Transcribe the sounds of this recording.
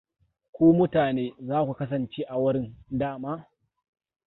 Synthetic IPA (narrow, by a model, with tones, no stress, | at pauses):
kʷoː˦mʊ˦taː˨neː˦zaː˦kʷu˨kɐ˦s̬ɐ˨nt͡ʃeː˦ʔa˨wʊ˦ɾɪ˦ndaː˦˨maː˦